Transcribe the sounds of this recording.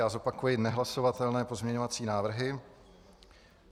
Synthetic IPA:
ʔazo̞pakujɪt̪nɛɦlaso̞vat̪ɛlnɛːpo̞zmɲɛɲovat͡siːnaːvr̩ɦɪ

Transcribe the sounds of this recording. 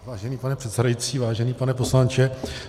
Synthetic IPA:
vaːʒɛniːpanɛpr̝̥ɛt̪sɛdajit͡siːvaːʒɛniːpanɛpo̞slant͡ʃɛ

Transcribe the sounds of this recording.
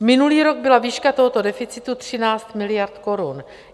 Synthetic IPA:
mɪnuliːɾoɡ̚bɪlaviːʃkat̪o̞ɦot̪o̞dɛfɪt͡sɪt̪ut̪r̝̥ɪnaːt͡st̪mɪlɪjaɾt̪ko̞ɾun

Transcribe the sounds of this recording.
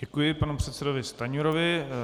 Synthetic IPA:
ɛkujɪpanupr̝̥ɛt̪sɛdovɪst̪aɲuɾovɪ

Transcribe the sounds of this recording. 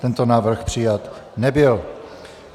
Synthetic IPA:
t̪ɛnt̪onaːvr̩xpr̝̥ɪjat̪nɛbɪl

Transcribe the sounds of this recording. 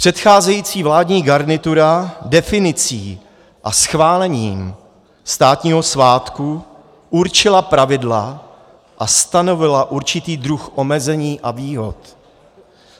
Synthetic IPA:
pr̥ɛt̪xaːzɛjiːt͡siːvlaːdɲiːɡaɾnɪt̪uɾadɛfɪnɪt͡siː | ʔasxvaːlɛɲiːm | st̪aːt̪ɲiːɦo̞svaːt̪ku | ʔuɾt͡ʃɪlapɾavɪdla | ʔast̪ano̞vɪlaʔuɾt͡ʃɪt̪iːd̪ɾuxʔo̞mɛzɛɲiːʔaviːɦo̞t̪

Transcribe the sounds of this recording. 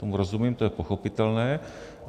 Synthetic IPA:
t̪omuɾo̞zumiːmt̪o̞jɛpo̞xo̞pɪt̪ɛlnɛː

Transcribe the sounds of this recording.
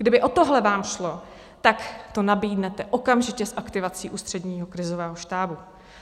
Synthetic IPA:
ɡ̥dɪbɪʔo̞t̪oɦlɛvaːmʃlo̞ | t̪akt̪o̞nabiːdnɛt̪ɛʔokamʒɪcɛsʔakt̪ɪvat͡siːʔuːst̪r̝̥ɛdɲiːɦo̞kɾɪzovɛːɦoʃt̪aːbu

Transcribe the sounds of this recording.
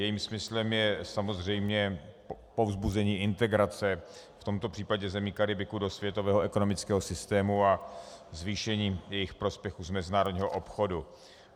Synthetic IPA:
jɛjiːmsmɪslɛmjɛsamo̞zr̝ɛjmɲɛ | po̞vzbuzɛɲiːʔɪnt̪ɛɡɾat͡sɛ | ft̪o̞mt̪opr̥iːpaɟɛzɛmiːkaɾɪbɪkudosvjɛt̪o̞vɛːɦoɛko̞nomɪt͡skɛːɦo̞sɪst̪ɛːmuazviːʃɛɲiːjɛjɪxpɾo̞spjɛxuzmɛzɪnaːɾodɲiːɦoʔopxo̞du

